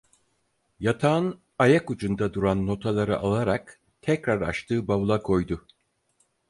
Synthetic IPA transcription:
jat̪ʰaːn | ajakud͡ʒund̪ad̪uɾanːo̞t̪ʰalˠaɾɯʔalˠaɾak | t̪ʰɛcɾaɾa̰ʃt̪ʰɯːbaβulˠakʰo̞jd̪ʊ

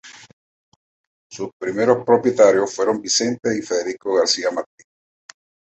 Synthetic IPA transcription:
suspɾimeɾospɾopjet̪aɾjosfweɾombisent̪eifeðeɾikoɣaɾsiamaɾt̪in

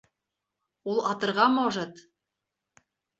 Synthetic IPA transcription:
ulˠɑt̪ɤ̆ɾʁɑmɑwʒɑt̪

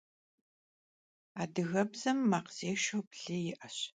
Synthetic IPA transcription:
aːdɨɣɐbzɐmːaqz̥eːʃowpɮɨjɪʔɐɕ

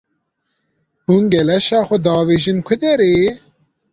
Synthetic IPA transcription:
hunɡɛlɛʃɑːxʊd̪ɑːʋeːʒinkʰʊd̪eɾeː

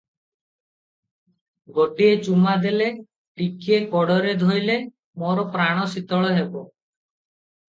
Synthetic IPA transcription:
ɡoʈiet͡ʃumad̪ele | ʈikiekɔɽɔɾed̪ʱojle | moɾɔpɾaɽ̃ɔsit̪ɔɭɔɦebɔ

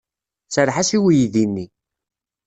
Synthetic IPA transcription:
səɾħasiwijðinːi

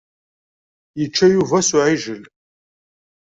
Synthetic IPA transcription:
jət͡ʃːæjuvɐsʊʕiʒəl

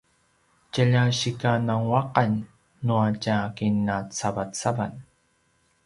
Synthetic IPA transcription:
cəʎaɕikanaŋwaqanː | uacakinːat͡savatt͡sava̰n

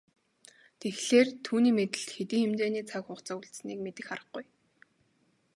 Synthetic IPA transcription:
t̪ʰexɮeːrt̪ʰuːniːmet̪ɘ̆ɬt̪xet̪iːŋxemt͡ɕeːniːt͡sʰakχʊχt͡sauɮt̪sniːkmet̪ɘ̆xχaɾə̆χɡʊj

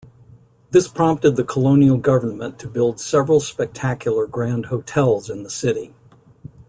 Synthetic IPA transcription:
ðɪspʰɹ̥ɑ̃mp̚tɨd̪̚ðɨkʰəlõʊ̃nil̩ˠɡʌvə˞nmə̃ntʰɨbɪlˠd̥sɛvɹl̩ˠspɛk̚tʰækʰjl̩ˠə˞ɡɹæ̃nd̚hoʊtʰɛlˠzɨ̃nðəsɪɾi

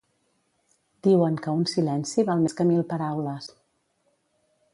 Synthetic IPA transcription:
d̪iwəŋkəunsilɛnsiβalˠmeskəmilˠpəɾawləs

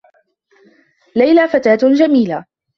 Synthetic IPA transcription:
lajlaːfat̪aːt̪d͡ʒamiːla

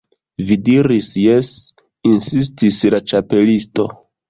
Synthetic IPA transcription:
vidiɾisjes | insis̬tislat͡ʃape̞listo̞

